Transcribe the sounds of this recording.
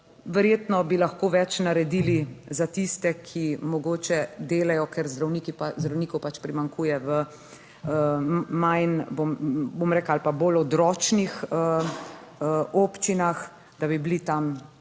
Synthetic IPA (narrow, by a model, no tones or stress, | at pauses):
ʋɛɾjeːt̪nɔbilaxkoːʋɛt͡ʃnaɾɛd̪iːlizat̪ist̪ɛkʰimɔɡoːt͡ʃɛd̪eːlajɔkɛɾzd̪ɾawniːkipazd̪ɾawniːkɔwpat͡ʃpɾimaŋkuːjɛʋə | majnbombomɾɛːklaalpabolɔd̪ɾɔːt͡ʃnixə | oːpt͡ʃinax | d̪abiblit̪am